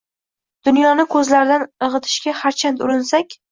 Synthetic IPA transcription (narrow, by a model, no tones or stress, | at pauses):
d̪̥ʊnjɒnɪkʰɵzlaɾɪd̪anɨʁɨt̪ʰɪ̥ʃɡʲahaɾt͡ʃʰant̪ʊɾɪnsakʲ